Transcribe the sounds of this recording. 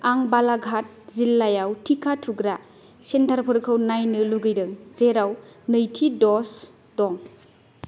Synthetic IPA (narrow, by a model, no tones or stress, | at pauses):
aŋbalaɡʱat̚zilːajawtʰikʰatʰuɡɾa | sentʰaɾpʰɯɾkʰɯwnajnɯluɡɯjdɯŋzeɾawnɯjtʰidɔs | dɔŋ